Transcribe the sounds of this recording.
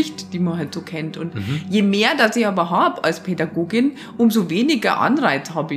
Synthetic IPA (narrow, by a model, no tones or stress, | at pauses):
ɪçtd̥iːmɐnɦaltz̥oːkʰɛntʊntjeːmeːɐdasɪçaːbɐɦaːbəʔalspʰɛdaɡoːɡɪn | ʔʊmzoveːnɪɡɐ̰ʔa̰nʁaɪt͡shaːbəɪ